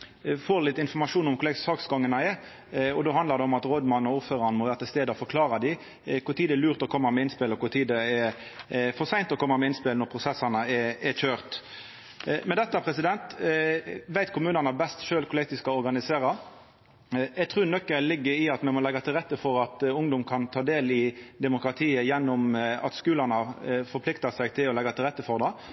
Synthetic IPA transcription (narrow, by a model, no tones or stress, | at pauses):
foːɾlɪt̪ːɪnfɔʁmɑʂuːnʊmkʰʊlɛsɑːksɡɑŋːənɑɛ | ɔd̪oːhɑnd̪lɑʁd̪ɛɔmɑt̪ʁɔd̪mɑnɔuːɾføːɾɑnəmɔʋæːɾət̪ɪlst̪eːd̪əɔfɔɾkʰlɑːɾɑd̪ɪ | kʰʊt̪ʰiːd̪əɛɾlʉːɾt̪ɔkʰɔmːɑmɛɪnspɪlɔkʊt̪ʰiːd̪əɛ | fɔʁsæɪnt̪ɔkʰɔmːɑmɛɪnspɪlnɔɾpʰʁʊsɛsɑnəɛɛçøːʁt̪ | mɛnd̪ɛt̪ːɑpʰɾɛsɪd̪ɛnt̪ | ʋæɪt̪kʰʊmʉːnɑnɑbɛst̪ʃøːlkʰʊlɪt̪ɪskɑɔɾɡɑnɪseːɾɑ | ɛɡt̪ʰʁʉːnœkːəlɪɡːəɾɪɑt̪mɛmɔlɛɡɑt̪ʰɪlʁɛt̪ːəfɔɾɑt̪ʊŋd̪ʊmkʰɑnt̪ʰɑːd̪eːlɪd̪ɛmʊkɾɑt̪ʰiːəjɛnːʊmɑ̰t̪skʉːlɑnɑfɔɾpʰlɪkt̪ɑsɛɡt̪ʰɪlɔlɛɡɑt̪ʰɪlʁɛt̪ːəfɔʁd̪ɛ